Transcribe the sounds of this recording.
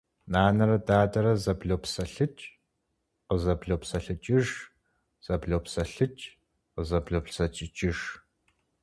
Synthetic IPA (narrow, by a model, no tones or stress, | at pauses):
naːnɐɾɐdaːdɐɾɐzɐbɮoːpsɐɬɨt͡ʃʼ | qəzɐbɮoːpsɐɬɨt͡ʃʼɪʒ | z̥ɐbɮoːpsɐɬɨt͡ʃʼ | qəzɐbɮopsɐt͡ʃʼɪt͡ʃʼɪʒ